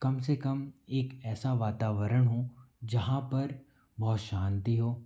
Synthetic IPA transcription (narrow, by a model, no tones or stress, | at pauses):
kɐmsekɐmeːkɛːsaʋaːt̪aːʋəɾəɽ̃ɦo | d͡ʒɐɦãpɐɾ | bɔːt̪ʃãːnt̪iɦoː